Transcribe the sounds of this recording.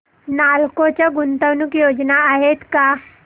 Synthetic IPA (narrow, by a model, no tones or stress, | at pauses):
nalkot͡ɕjaɡunt̪aʋnukjod͡znaːɦet̪ka